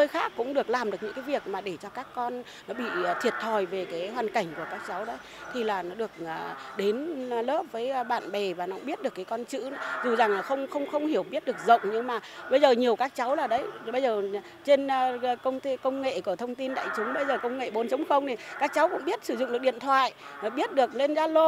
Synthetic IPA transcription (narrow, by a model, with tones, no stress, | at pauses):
təː˧jxaː˦˥kːʊ̰˧˥ŋ͡mɗɨ˨˩ək̚laː˨˩mɗɨ˨˩əkɲɨ̰˧˥kːjvi˨˩ək̚maː˨˩ɗe˧˩t͡ɕɔ˧kaː˦˥kːɔ˧n | nɔ˨˦ɓḭ˧˨˩t̪ʰi˨˩ət̚t̪ʰɔ˨˩jve˨˩kaː˨˦jɦwaː˨˩nka˧˩jŋ̟ku˧˩əkaː˦˥k̚t͡ɕa˨˦wɗə˨˦j | t̪ʰi˨˩laː˨˩nɔ˨˦ɗɨ˨˩ək̚ːɗe˨˦nləː˦˥p̚vəː˨˦jɓa̰ː˧˨nɓɛ˨˩vaː˨˩nɔ˨˦ʊ̰˧˥ŋ͡mɓi˦˥ət̚ɗɨ˨˩əkːaː˨˦kɔ˧nt͡ɕɨ̰˧˥˨zu˨˩za˨˩ŋ˨xə˧wŋ͡mxə˧wŋ͡mxə˧wŋ͡mhi˧˩əwɓi˦˥ət̚ɗɨ˨˩ək̚zə̰˧˨wŋ͡mɲɨ˧ŋmaː˨˩ɓə˧jzəː˨˩ɲi˨˩əwkaː˦˥k̚t͡ɕa˨˦wlaː˨˩ɗə˨˦jɓə˧jzəː˨˩˨ | t͡ɕe˧nː˧˨kə˧wŋ͡mt̪e˧kə˧wŋ͡mŋḛ˧˨ku˧˩ət̪ʰə˧wŋ͡mt̪i˧nɗa̰ː˧˨jt͡ɕʊ˨˦ŋ͡mɓə˧jzəː˨˩kə˧wŋ͡mŋḛ˧˨ɓo˨˦nt͡ɕə˨˦ŋ͡mxə˧wŋ͡mti˨˩kaː˦˥k̚t͡ɕa˨˦wkʊ̰˧˥ŋ͡mɓi˦˥ət̚sɨ˧˩zʊ̰˨˧˨ŋ͡mɗɨ˨˩k̚ɗḭ˧˨ənt̪ʰwa̰ː˧˨jnɔ˨˦ɓi˦˥ət̚ɗɨ˨˩ək̚le˧nzaː˧lo˧